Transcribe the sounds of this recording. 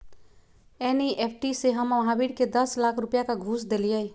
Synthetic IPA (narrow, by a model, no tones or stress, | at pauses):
eniʔepʰʈiseɦəmɦãbiɽked̪əslakʰɾupjakaɡʱusd̪elijəj